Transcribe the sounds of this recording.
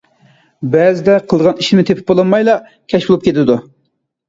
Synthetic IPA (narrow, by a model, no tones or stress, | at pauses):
bɛzɪd̪ɛqʰəlˠʁɑniʃmɪt̪ʰepʰɪ̥p̚bolˠɑnmɑjlˠɑ | kʲʰɛʃbulˠupkʲʰet̪ɪd̪u